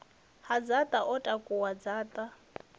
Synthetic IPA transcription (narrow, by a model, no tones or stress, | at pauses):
had͡zat̪ʼaʔɔtʼakʼuwad͡zaːt̪ʼa